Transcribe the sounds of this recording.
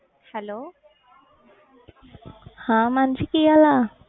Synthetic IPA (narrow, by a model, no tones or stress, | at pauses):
hɛloː | hãmant͡ʃikiala